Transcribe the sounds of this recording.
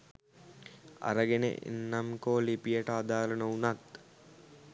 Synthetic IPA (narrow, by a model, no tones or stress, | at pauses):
a̰ɾəɡenḛʔḛnːamkoːlipijəʈəad̪aːlənəunat̪